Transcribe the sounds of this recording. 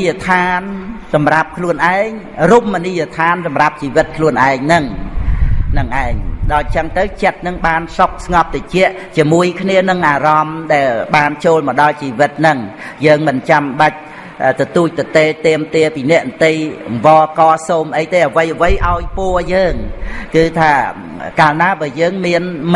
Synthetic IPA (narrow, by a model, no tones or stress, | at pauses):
jət̪ʰaːnsɑmrap̚kʰluənʔaɛŋ | ruːp̚mːənijot̪ʰaːnsɑmrap̚t͡ɕiːʋɨt̪̚kʰluənʔaɛŋnɨŋ | nɨŋʔaɛŋɗaːt͡ɕəŋt̪ɨwt͡ɕət̪̚nɨŋɓaːnsok̚sŋɑp̚t̪et͡ɕɛ̆əʔt͡ɕiəmuəjkʰniənɨŋʔaːrɑmɗaɛlɓaːnt͡ɕoːlmɔɗɑlt͡ɕiːʋɨt̪̚nɨŋ | jəːŋmɨnt͡ɕamɓac̚ | t̪ɔt̪uːc̚t̪ɨwt̪eːt̪ɛəmt̪iəpiːnɛ̆əʔnt̪ɨjmʋɑːkɑːsoːmʔəjt̪eːʔəʋəjʔəʋəjʔaɔjpʊəjəːŋkɨːt̪ʰaː | kaːlnaːɓaəjəːŋmiən